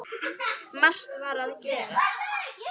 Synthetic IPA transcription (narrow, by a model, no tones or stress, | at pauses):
mar̥t̪vaɾaðcɛːɾa